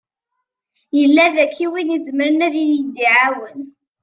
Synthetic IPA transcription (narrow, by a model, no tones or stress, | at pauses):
jəlːæðækʰːiwinizməɾənæðiðjəd̪ːiʕawən